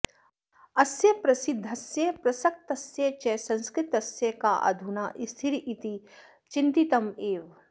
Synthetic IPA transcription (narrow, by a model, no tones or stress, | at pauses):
ɐsjɐpɾɐsɪd̪ʱːɐsjepɾɐsɐk̚t̪ɐsjet͡ʃɛsɐ̃nskɾɪt̪ɐsjɐkaʔɐ̰d̪ʱunaʔist̪ʰiɾiʔit̪i | t͡ʃint̪it̪ɐmeːʋ